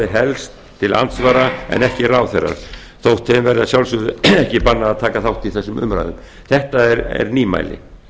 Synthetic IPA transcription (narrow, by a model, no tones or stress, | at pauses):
ɪɦɛlst̪ʰːɪla̰nt̪svaːɾaɛ̰nɛhcɪraːwθɛrːa̰ɾ̥ | θowht̪ʰːemvɛɾðɪasjawlsʏðʏɛhcɪpanːaaːðt̪ʰaːkaθawht̪iθɛsːʏmʔʏ̰mɾa̰jðʏm | θɛht̪aɛɾɛ̰ɾniːma̰ːjlɪ̰